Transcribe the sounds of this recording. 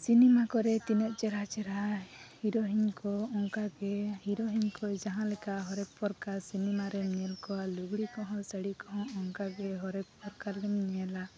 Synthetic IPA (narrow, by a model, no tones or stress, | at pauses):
sinɛmakɔɾɛt̪inɛʔ̪̚t͡ʃɛɾɦat͡ʃɛɾahiɾɔɦiɲkɔɔŋkaɡɛhiɾɔɦiɲkɔd͡ʒaɦãlɛkaɦɔɾɛk̚pɔɾkaɾsinɛmaɾɛmɲɛlkɔwaluɡɽikɔɦɔ̃səɽikɔɦɔ̃ɔŋkaɡɛɦɔɾɛk̚pɔɾkaɾlɛmɲɛla